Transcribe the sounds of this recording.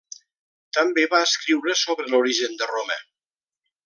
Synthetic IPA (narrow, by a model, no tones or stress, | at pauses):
t̪əmbeβaəskɾiwɾəsoβɾəluɾiʒənd̪əromə̰